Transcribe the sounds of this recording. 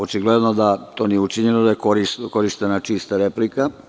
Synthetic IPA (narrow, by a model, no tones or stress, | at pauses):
ot͡ʃiɡled̪nod̪at̪o̞nijeut͡ʃiɲenod̪ajekoɾisko̞ɾiʃt̪enat͡ʃiːst̪aɾeplika